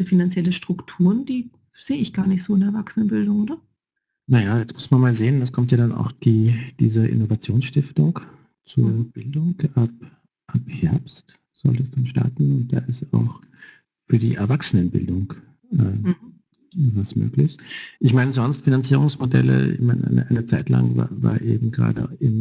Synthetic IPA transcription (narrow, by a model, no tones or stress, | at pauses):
zəfinant͡sjɛləʃtʁ̥ʊktʰuːʁənd̥iː | z̥eːəɪçɡ̥aːɐnɪçtz̥oːɪndɛɐvaksənənbɪldʊŋʔoːdɐ | najaːjɛt͡smʊsmanmaːlzeːəndaskʰɔmtjaːdana̰ʊxd̥iːd̥ḭːzɐʔɪ̰novat͡sjoːnsʃtɪftʊŋk | t͡suɐb̥ɪldʊŋkap̚ | ʔaphɛɐpst | z̥ɔ̰ltəɛsd̥anʃta̰ɐtn̩d̥a̰ːʔɪsta̰ʊx | fyːɐdḭːʔɛɐvaksənənbɪ̰ldʊŋ | ʔəː | vasmø̰ːklɪçʔɪçmaɪnəzɔnstfinant͡siːʁʊŋsmodɛ̰lə̰ɪ̰çmaɪnəʔa̰ɪnəʔaɪnət͡saɪtla̰ŋva̰ːva̰ːɐʔeːbm̩ɡəʁa̰ːdə̰ʔɪm